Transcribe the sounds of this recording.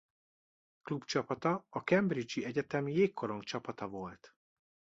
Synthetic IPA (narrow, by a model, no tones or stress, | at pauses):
klubt͡ʃɒpɒt̪ɒɒkɛmbrid͡ʒiɛɟɛt̪ɛmjeːkːoɾo̞ŋkt͡ʃɒpɒt̪ɒvo̞lt̪